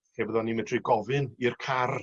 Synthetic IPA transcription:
hebəðɔnimɛdriɡɔvɨnirkʰar

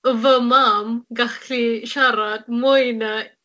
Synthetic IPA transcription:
əvəmamɡaχkʰliʃaɾad̪̚mojna

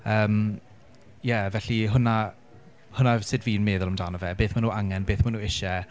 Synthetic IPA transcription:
əːm | jɛvɛɬiɦʊna | hʊnasɪdviːnmeːðʊlˠəmdaːnɔvɛbeːθmanuːaŋɛnbeːθmanuːɪʃɛ

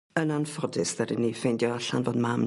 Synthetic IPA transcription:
ənanfɔdɪsð̥adinːifejndjɔaɬa̰nvoːdmam

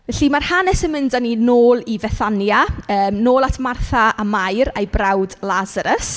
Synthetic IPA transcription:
vɛɬimarhanɛsənmɪndaninoːlˠivɛθanjaəːmnoːlˠatʰmarθaamajɾejbrawdlazaɾəs

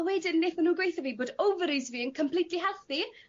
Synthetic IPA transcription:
wɛdɪnnːeθənuːɡwejθaviːboːdowvəɾizviːənkʰəmpʰl̥ˠitʰliɦɛlˠθi

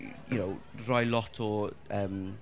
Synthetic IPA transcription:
jʊ̰nowrɔjlɔtʰɔəm

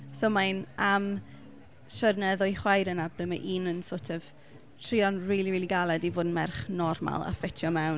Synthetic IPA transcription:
somajnam | ʃərnɛðɔjχwajɾənablɛmaʔiːnənsoːtʰɛv | tʰriːɔnriːlˠiwiːlˠiɡalˠɛdivoːdn̩mɛrχnɔrma̰lˠa̰fɛtʰjɔmɛwn

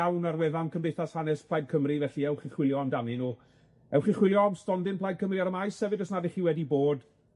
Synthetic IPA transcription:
awnarwɛðankʰəmbejθashanɛspʰlˠajd̚kʰəmrivɛɬiɛwχiχwɪlˠjɔəmdaninuː | ɛwχiχwɪlˠjɔwstɔndɪnpʰlˠajd̚kʰəmriaɾəmajsɛvɨdɔsnaðɪχiːwɛdiboːd

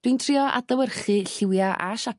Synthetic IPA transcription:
d̥wiːntʰriɔʔa̰dəwərχɨɬɪwjaʔaʃa

